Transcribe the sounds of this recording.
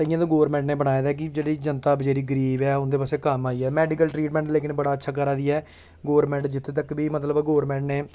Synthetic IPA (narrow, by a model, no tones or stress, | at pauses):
t̪əɪjãːt̪aːɡoːʋəɾmɛ̃ːɳʈneːbəɽ̃aːed̪aːk̬ɪd͡ʒeːɽiːd͡ʒənt̪aːbəd͡ʒaːɾiːɡəɾiːbɛːʊnd̪eːpaːseːkəmaːiːɛːmɛːɖikəlʈɾiːʈmɛ̃ːɳʈleːkɪnbəɽaːətːʃʰaːk̬əɾaːd̪iːɛː | ɡoːɾmɛ̃ːɳʈd͡ʒɪt̪ʰːeːt̪əkbiːmət̪ləbɡoːɾmɛ̃ːɳʈneː